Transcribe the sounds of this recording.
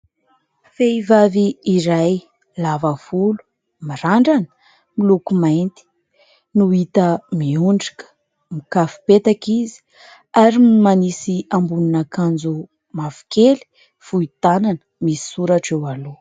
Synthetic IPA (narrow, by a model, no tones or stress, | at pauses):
feivaviːɾaj | lavafulu̥ | miɾaɳɖ͡ʐanə̥ | milukumajnt̪i̥ | nuit̪əmiuɳɖ͡ʐi̥kə̥ | mikafu̥pet̪akizi̥ | aɾimanisiambuninakand͡zu | mafu̥keli̥ | fuit̪ananə̥misi̥suɾaʈ͡ʂewalu